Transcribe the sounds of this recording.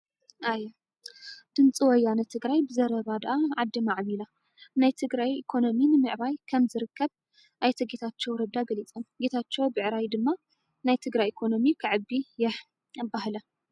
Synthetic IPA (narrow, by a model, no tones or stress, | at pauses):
ʔajː | d̪̥ɨnt͡sʼiwɔjːanɐt̪ʰɨɡɾajbɨzɐɾɐβad̪ɨʔaʕad̪ːimaʕβila | najt̪ʰɨɡɾajikʰo̞no̞minɨmɨʕβajkʰɐmzɨɾɨkːɐβ | ʔajt̪ʰɐɡet̪ʰat͡ʃːɛwɾɐd̪aɡɐlit͡sʼɐmɡet̪ʰat͡ʃːɛwbɨʕɾajd̪ɨmːa | najt̪ʰɨɡɾajekʰono̞mikʰɨʕɨbːijɛħ | baɦlɐ